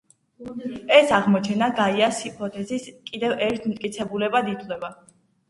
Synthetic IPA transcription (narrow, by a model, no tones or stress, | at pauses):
ɛsaʁmɔt͡ʃʰɛnaɡaiasipʰɔt̪ʰʼɛziskʼid̪ɛvɛɾt̪ʰmt̪ʼkʼit̪sʰɛbulɛbad̪it̪ʰlɛba